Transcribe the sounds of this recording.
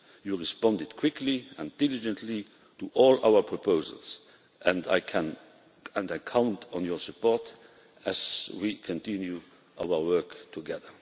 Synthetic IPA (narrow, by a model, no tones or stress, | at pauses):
juɹispɑ̃ndɪd̥kʰw̥ɪkʰliɛ̃nd̥ɪlɪd͡ʒə̃ntʰli | tʰuʔɔːla̰ʊə˞pʰɹopʰoʊzə̰ls | ʔæ̃nda̰ɪkʰæ̃n | æ̃nakʰãʊ̃ntʰɔ̃njɔsupʰɔɹt | æzwikʰɔ̃ntʰɪ̃nju | ʔa̰ʊə˞wɜ˞ktʰuɡɛðə˞